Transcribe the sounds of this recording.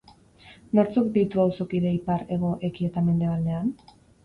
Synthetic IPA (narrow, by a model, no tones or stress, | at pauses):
noɾt͡sokd̪it̪uawso̞kiðe̞ipaɾe̞ɣ̞o̞ʔe̞kie̞t̪ame̞nd̪e̞β̞ald̪e̞an